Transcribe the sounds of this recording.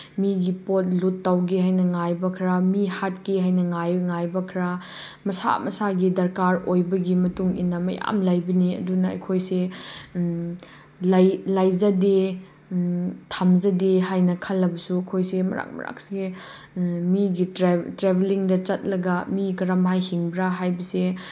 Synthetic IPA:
miɡipot̚lutːawɡihajnɐŋajbɐkʰɾamihat̚kiɦajnɐŋajŋajbɐkʰɾa | mɐsa̰mɐ̰saɡidɐɾkaɾojbɐɡimɐtuŋḭnːɐmɐja̰mlajbɐniɐ̰dunɐɐ̰jkʰojse | lajlajzɐde | tʰamzɐdeɦajnɐkʰɐlːɐbɐsuɐkʰojsemɐ̰ɾa̰k̚mɐ̰ɾa̰k̚seɡe | miɡiɾetɾebeliŋdɐt͡ʃɐt̚lɐɡɐmikɐɾamajhiŋbɾaɦajbɐse

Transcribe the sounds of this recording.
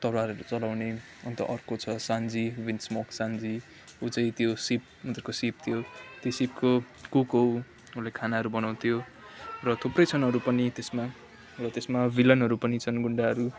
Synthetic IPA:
t̪ʌrwaɾʌɾut͡sʌlawne | ʌnt̪ʌ̰ʔʌrkot͡sʰʌsand͡ziwinsmʌksand͡zi | ut͡sʌ̃ĩt̪josip̚ | mʌt̪rkosip̚t̪ʰijot̪josip̚ko | kukow | ulekʰanaɦʌɾubʌnaw̃t̪ʰjo | rʌt̪ʰuprʌjt͡sʰʌnɦʌɾupʌnit̪esma | rʌt̪esmabilʌnɦʌɾupʌnit͡sʰʌnɡuɳɖaɦʌɾu

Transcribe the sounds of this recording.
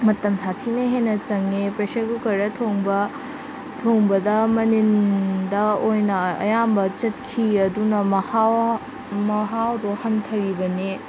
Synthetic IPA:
mɐtɐmsatʰinɐɦenɐt͡ʃɐŋepɾesɐɡukɐɾɐtʰoŋbɐ | tʰoŋbɐdɐmɐnindɐojnɐɐ̰jambɐt͡ʃɐt̚kʰiɐdunɐmɐhaw | mɐɦawɾohɐntʰɐɾibɐne

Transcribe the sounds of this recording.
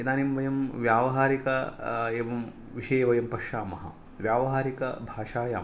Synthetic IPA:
ɐd̪aːnimʋɐjɐmʋjaːʋɐɦaːɾikɐeːʋɐm | ʋiʂɐjeʋɐjɐmpɐkʂaːmɐɦɐ | ʋjaːʋɐɦaːɾikɐ̰bʱaːʂaːja̰ːm

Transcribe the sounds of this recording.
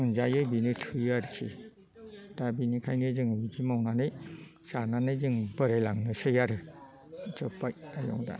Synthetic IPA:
ɯnzajɯjbinɯtʰɯjaɾɯkʰḭ | d̥abinikʰajnɯzɯŋwiɡimawnanɯj | sananɯjzɯŋbɯɾajlaŋnɯsɯjaɾɯ | zɯpːajajɔ̰ŋda̰

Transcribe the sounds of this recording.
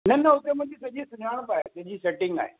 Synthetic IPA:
nɐnɐʊt̪emɐ̃t̪isɐʄisʊɲʱaːɽ̃əpaːɦḛsɐd͡ʑiːseʈɪ̃ŋɡa̰ːɦḛ

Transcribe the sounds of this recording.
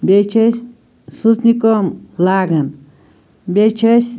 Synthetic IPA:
bet͡ʃəs | susnikomlaɡan | bʲet͡ʃʰəs

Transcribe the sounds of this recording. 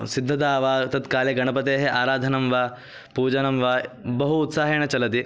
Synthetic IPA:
sid̪ʱːɐt̪̬aːʋaːt̪ɐt̪kaːljɐɡɐɳɐpɐt̪eːɦeʔaːɾaːd̪ʱɐnɐmʋaː | puːd͡ʒɐnɐmʋaːbɐɦuːt̪saːɦeːɳɐt͡ʃɐlɐt̪̬i

